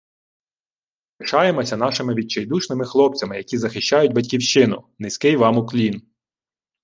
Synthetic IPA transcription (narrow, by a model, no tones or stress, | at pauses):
ɪʃɑjemɔsʲɐnɑʃɪmɪʋʲit͡ʃɐjd̪uʃnɪmɪxlˠɔp̚t͡sʲɐmɪjɐkʲizɐxɪʃt͡ʃɑjʊtʲbɐtʲkʲiwʃt͡ʃɪnʊ̰nɪsʲkɪjʋɑmʊklʲin